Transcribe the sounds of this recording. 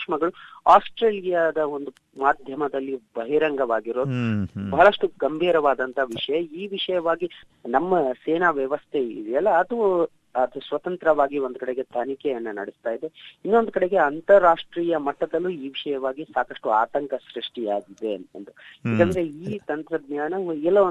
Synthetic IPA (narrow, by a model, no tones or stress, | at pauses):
ʂmɐɡɐɭuaːsʈɾeːljad̪ɐo̞nd̪u | maːd̪ʱjɐmɐd̪ɐlːibɐɦiɾɐŋɡɐʋaːɡiɾo̞ːd̪ubɐɦɐɭɐʂʈuɡɐmbʱiːɾɐʋaːd̪ɐnt̪ʰɐʋiʂɐjɐiːʋiʂɐjɐʋaːɡi | nɐmːɐseːnaʋjɐʋɐst̪ʰe̞ḭd̪iɐlːɐːd̪u | ɐd̪usʋɐt̪ɐnt̪ɾɐʋaːɡio̞nd̪ukɐɽe̞ɡe̞t̪ʰɐnikɛjɐnːɐnɐ̰ɽist̪aːjid̪e̞inːo̞nd̪ukɐɽe̞ɡe̞ɐnt̪ɐɾaːʂʈɾiːjɐmɐʈːɐd̪ɐlːuiːʋiʂɐjɐʋaːɡisaːkɐʂʈuaːt̪ɐŋkɐsɾiʂʈiaːɡid̪eɐ̰nd̪ujeːkɐːnd̪ɐɾe̞iːt̪ɐnt̪ɾɐd̪naːnɐɛlːɐ